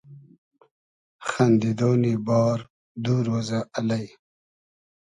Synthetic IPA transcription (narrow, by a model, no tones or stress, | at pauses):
xand̪id̪oːnibɑːɾ | d̪uːɾoːzaʔalaj